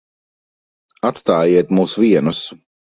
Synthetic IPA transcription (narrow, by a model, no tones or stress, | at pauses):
at̪st̪aːjiɛt̪muːsviɛnus